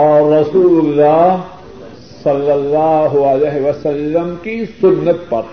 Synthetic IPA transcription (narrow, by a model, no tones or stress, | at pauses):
ɔːɾːɐsuːlʊlːaː | sɐlːɐlːaːɦʊɐlɛːɦʋɐsɐlːəmkisʊnːət̪pɐɾ